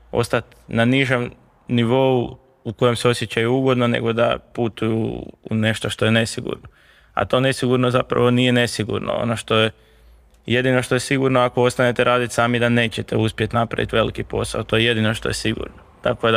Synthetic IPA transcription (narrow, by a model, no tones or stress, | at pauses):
o̞̰st̪at̪naniʒem | niʋo̞u | uko̞je̞mseo̞sjet͡ɕajuuɡo̞d̪no̞nḛɡo̞d̪a̰put̪ujṵːne̞ʃt̪o̞ʃt̪o̞je̞ne̞siɡṵɾno | a̰t̪o̞ːne̞siɡuɾnozapɾa̰ʋo̞nije̞ne̞siɡṵɾno̰o̰no̞ʃt̪o̞je | je̞d̪ino̞ʃt̪o̞je̞siɡuɾnoako̞o̞st̪ane̞t̪eɾaːd̪it̪saːmid̪ane̞ːt͡ɕe̞t̪euspje̞t̪napɾa̰ʋḭt̪ʋe̞likipo̞sa̰ot̪o̞jeje̞d̪ino̞ʃt̪o̞̰je̞siɡṵɾnot̪akod̪a